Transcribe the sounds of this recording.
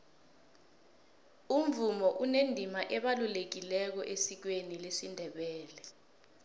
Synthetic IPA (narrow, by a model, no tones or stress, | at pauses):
um̩vumɔʔunendʱimaʔɛɓalulek̬ilɛk̬ɔʔesik̬wenilesindʱɛɓɛːlɛ